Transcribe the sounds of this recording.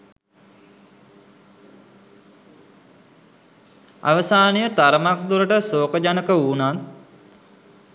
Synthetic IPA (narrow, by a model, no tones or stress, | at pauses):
a̰ʋəsaːnejət̪aɾəmak̚d̪uɾəʈəsoːkəd͡ʒanəkəuːnat̪